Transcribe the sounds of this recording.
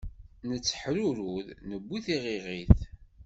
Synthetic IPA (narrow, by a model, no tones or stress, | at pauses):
nət͡sːə̥ħɾuɾuðnəbːiθiʁiʁiθ